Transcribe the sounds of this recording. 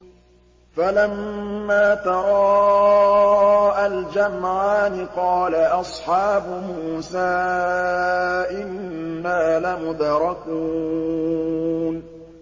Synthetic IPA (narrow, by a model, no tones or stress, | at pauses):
falamːaːt̪ɑɾˤɑː | ʔald͡ʒamʕaːnɪqɑːlaʔɑsˤħɑːbʊmuːsaː | ʔɪnːaːlamʊd̪ɾˤɑku | n